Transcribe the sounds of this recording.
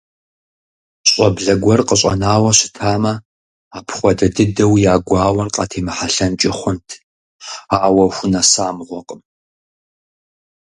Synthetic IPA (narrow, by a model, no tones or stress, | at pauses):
ɕʼɐbɮɐɡʷɔrqəɕʼɐ̰naːwɐɕɪ̥tʰaːmɐ | aːpʰχʷɔdɐdɨdɐwjaːɡʷɑːwɐrqʼɑːtʰeːmɨħaɬɐnt͡ʃʼɪχʷʊntʰ | aːwɐxʷʊnɐsaːmʁʷɔqʼəm